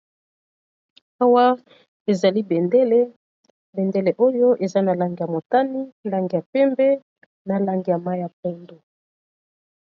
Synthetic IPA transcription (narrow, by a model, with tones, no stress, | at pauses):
a˦wa˦ | e˨za˨li˦be˨nde˦le˦ | be˨nde˦le˨ʔo˦jo˦ʔe˨za˦na˨la˦ŋɡi˨ja˨mo˨ta˦ni˦˨la˦ŋɡi˨ja˨pɛ˦mbɛ˦ | na˨la˦ŋɡi˨ja˨ma˦i˦a˨pɛ˦ndo˨